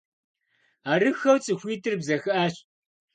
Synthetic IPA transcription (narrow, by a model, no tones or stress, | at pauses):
aːɾɨxɐwt͡sʼɨxʷiːtʰɨrbzɐxɐʔaːɕ